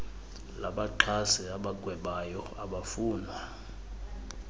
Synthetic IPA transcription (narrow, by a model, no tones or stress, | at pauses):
laɓaǃʰasiaɓak̬ʼwɛɓajɔ | aɓafuːndʱa